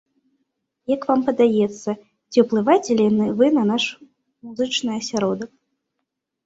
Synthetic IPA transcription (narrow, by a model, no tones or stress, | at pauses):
jɐkvampɐd̪ajɛt̪sːɐ | t͡sʲiwplˠɨvajt͡sʲelʲianɨvɨnɐnaʂ | muzɨt͡ʂnɨjɐsʲaɾɔd̪ɐk